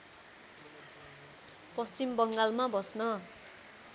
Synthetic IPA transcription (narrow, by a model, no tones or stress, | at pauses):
pʌst͡simbʌŋɡalmabʌsnʌ